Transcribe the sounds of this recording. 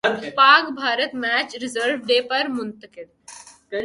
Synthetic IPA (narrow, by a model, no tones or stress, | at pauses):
paːɡbʱaːɾət̪mæːt͡ʃɾɪzəɾʋɖeːpɐɾmʊnt̪əkɪd̪